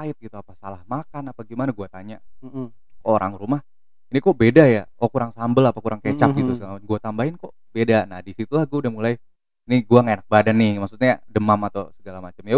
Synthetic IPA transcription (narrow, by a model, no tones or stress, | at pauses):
aɪt̪̚ɡit̪uapasalahmakanapaɡimanaɡuat̪aɲa | kooɾa̰ŋɾumah | inikɔʔbedajaʔokuɾaŋsambəlapakuɾʔaŋket͡ʃap̚ɡit̪usənɡuat̪ambaɪnkoʔ | bedanahdisit̪ulahɡudamulai | iniɡuaŋaenak̚badanːɪhmaksut̪̚ɲadəmamat̪asəɡalamat͡ʃamja